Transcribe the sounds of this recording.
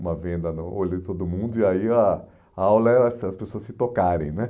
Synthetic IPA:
ũmɐvẽnd̪ɐnʊolʊɪt̪od̪ʊmũnd̪ʊiaiɐ | awlɐɛsɐspesoɐsɪt̪okaɾẽj̃nɛ

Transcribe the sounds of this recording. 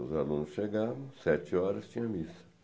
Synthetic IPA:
ʊzalũnʊsʃeɡavɐ̃w̃sɛt͡ʃɪɔɾɐst͡ʃĩɲ̃ɐmisɐ̥

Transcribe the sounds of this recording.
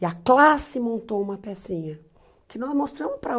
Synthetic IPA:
ɪɐklasɪmõnt̪owũmɐpɛsĩɲɐ | kɪnɔzmost̪ɾɐ̃mʊspɾɐ

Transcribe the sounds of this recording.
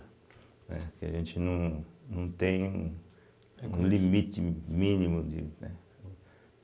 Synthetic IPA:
ḛ̃kḛjĩt͡ʃinũnũt̪ẽ | limĩt̪imĩnĩmũnd̪ḭe

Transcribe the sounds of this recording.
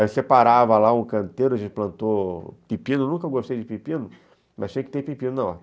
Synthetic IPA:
osepaɾavɐlaũkɐ̃nt̪eɾʊɐʒẽt͡ʃɪplɐ̃nt̪opipĩnʊnũkɐeɡost̪ejd͡ʒɪpipĩnʊ | mɐst͡ʃĩjɐkɪt̪epipĩnʊnɐ̃w̃a

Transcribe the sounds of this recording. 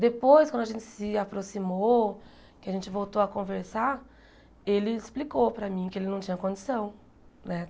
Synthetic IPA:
d̪epojskɐ̃d̪ʊaʒẽnt͡ʃɪ̥sɪapɾosimo | kɪaʒẽnt͡ʃɪvowt̪oɐkõveɾsaɾ | elɪɪsplikopɾɐmĩkɪelɪnɐ̃w̃t͡ʃĩɲɐkõd͡ʒɪsɐ̃w̃ | nɛ

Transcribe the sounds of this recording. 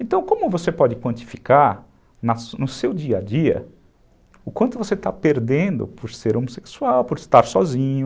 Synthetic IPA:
ẽnt̪ɐ̃w̃kõmʊvosepɔd͡ʒɪkwɐ̃nt͡ʃ̪i̥fi̥kaɾ | nɐsnʊsewd͡ʒiɐd͡ʒiɐ̰ | ʊkwɐ̃nt̪ʊvoset̪apeɾd̪ẽnd̪ʊ̰poɾseɾomose̥ksuawpoɾɪst̪aɾsɔzĩɲʊ

